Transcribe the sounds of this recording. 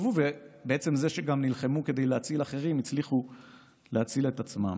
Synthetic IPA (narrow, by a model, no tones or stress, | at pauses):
vuvebeʔet͡se̞mzeʃeɡamnilχemuke̞d̪ejleat͡silaχe̞ʁimit͡sliχu | leat͡sile̞t̪at͡sma̰m